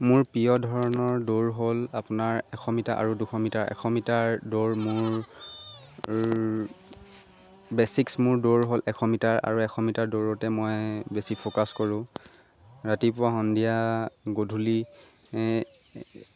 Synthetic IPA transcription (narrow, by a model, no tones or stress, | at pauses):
mʊɹpiɔdʱɔɹɔnɔɹdoɹɦolapʊnaɹɛkʰɔmitaʔa̰ɹuduxʰɔmitaɹɛ̰kʰɔmitaɹdoɹmʊɹ | bɛsiksmʊɹdoɹɦolʔɛkʰɔmitaɹa̰ɹuɛxʰɔmitaɹdoɹɔtɛmɔjbesipʰokaskɔɹʊ̃ | ɹatipʊwaɦɔndʱijaɡodʱuli